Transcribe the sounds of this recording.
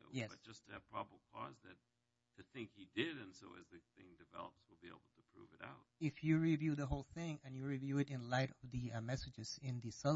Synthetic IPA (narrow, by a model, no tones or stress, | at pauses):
jɛsbʌd̥ʒ̥ʌstʰɨɨ̥pʰɹ̥ɑbəbl̩ˠkʰɔ̰zðɨtʰ | ɨθɪ̃ŋkhidɪɾɨ̃nsoʊɨ̰zðɨθɪ̰̃ŋdɨvɛ̰lˠəpswəlˠbiḛɪbl̩ˠtʰəpʰɹ̥ṵvɨɾa̰ʊt̚ɪfjɨɹivjʉðəɦoʊlˠθɪ̃ŋɨ̃njɨɹivjʉɨɾɨ̃nlaɪɾʌvðɨmɛsɨd͡ʒɨz̥ɪ̃nðɨsʌ